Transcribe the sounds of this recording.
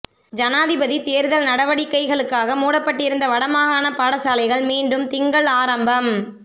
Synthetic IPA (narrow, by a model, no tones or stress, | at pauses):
d͡ʒɐnaːðɪbɐðit̪eːɾðɐlnɐɽɐʋɐɽɪkːɐɪɣɐɭɯkːaːɣɐmuːɽɐpːɐʈːɪɾɯnd̪ɐʋɐɽɐmaːɣaːnɐpaːɽɐsaːlɐɪɣɐɭmiːɳɖɯmt̪ɪŋɡɐɭaːɾɐmbɐm